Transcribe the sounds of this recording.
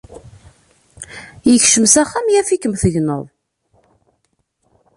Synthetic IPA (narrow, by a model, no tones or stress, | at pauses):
jəçʃəmsæχːæmjæfikəmθəʝnə̰ðˤ